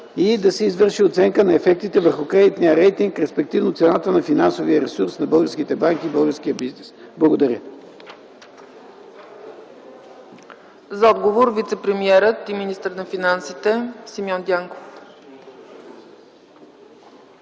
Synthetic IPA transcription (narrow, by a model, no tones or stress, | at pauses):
id̪ɐsɛizvɤɾʃiot̪sɛŋkənɐɛfɛk̚t̪it̪ɛvəɾxʊkɾɛd̪it̪nijəɾɛjt̪iŋkɾɛspɛk̚t̪ivnʊt̪sɛnat̪ənɐfinansoviəɾɛsuɾsnɐbɤlˠɡəɾsk̟it̪ɛbaŋkiːbɤlˠɡəɾskʲijəbiznɛsblˠɐɡod̪ɐɾʲə | zɐɔd̪ɡovoɾvit̪sɛpɾɛmiɛɾət̪iminist̪əɾnɐfinansit̪ɛsimʲɔnd̪ʲaŋkof